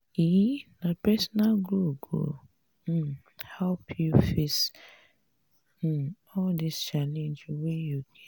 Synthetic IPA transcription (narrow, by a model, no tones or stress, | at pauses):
inapɛsɔnalɡɾuɡo̰ | hɛlpʰjufes | ɔldist͡ʃalẽnd͡ʒwɛjukʰɛ̥̃